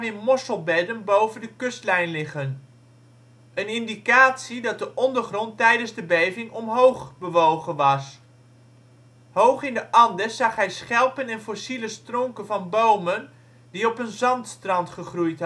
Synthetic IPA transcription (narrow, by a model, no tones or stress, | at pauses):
mɪmɔsəlˠbɛdənbowvəndəkɵstlɛjnlɪχən | ənɪndikaːtsidɑt̚dəʔɔndəɹχrɔntɛjdənzdəbejvɪŋɔmɦowχbəʋowχənʋɑs | howχɪndəʔɑndəz̥ɑχɦɛjsχɛlˠpənɛnfɔsiləstrɔŋkənvɑnbowmən | diɔpənzɑntstrɑntχəχrujt